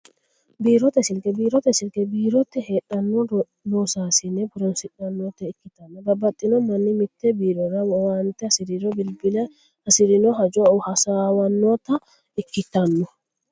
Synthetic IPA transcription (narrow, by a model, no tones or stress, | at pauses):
biːɾɔt̪ɛsɪlkʼɛbiːɾɔt̪ɛsɪlkɛbiːɾɔt̪ːɛheːᶑɐnːɔ | nɔːsaːsɪnɛbʊɾɔnsɪᶑɐnːɔt̪ɛɪkːɪt̪ɐnːɔbɐbːɐt̪ʼːɪnɔmɐnːɪmɪt̪ːɛbiːɾɔɾɐwwant̪ɛsɪɾɪɾɔbɪlbɪlɐ | ɐsɪɾɪnɔɦɐd͡ʒɔʊhɐsaːwɐnːɔt̪ɐ | ɪkːɪt̪ːɐnːɔ